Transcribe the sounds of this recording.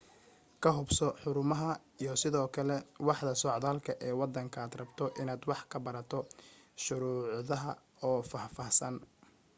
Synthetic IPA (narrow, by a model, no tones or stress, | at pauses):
kʰɐɦʊbsɔħʊɾʊmɐɦɐ | ijɞsɪðɔːkʰɐlɛwɑħd̪ɐsɔːʕðaːlkʰɐʔɛːwɑd̪ɐŋkʰɐːd̪rɐbt̪ʰɔʔɪnaːd̪wɑħkʰɐbɐɾɐt̪ʰɔʃʊɾuːʕðɐɦɐ | ɔːfahfɑːhsɐn